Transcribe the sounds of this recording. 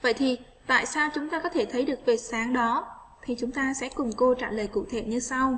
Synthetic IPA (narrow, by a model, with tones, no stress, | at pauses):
və̰˧˨jt̪ʰi˨˩ | t̪a̰ː˧˨jsaː˧wt͡ɕʊ˨˦ŋ͡mt̪aː˧kɔ˨˦t̪ʰe˧˩t̪ʰə˨˦jɗɨ˨˩ək̚ve˨˩saː˨˦ŋɗɔ˨˦ | t̪ʰi˨˩t͡ɕʊ˨˦ŋ͡mt̪aː˧sɛ̰˧˥kʊ˨˩ŋ͡mko˧t͡ɕaː˧˩ləː˨˩jkṵ˧˩t̪ʰe˧˩ɲɨ˧sa˧w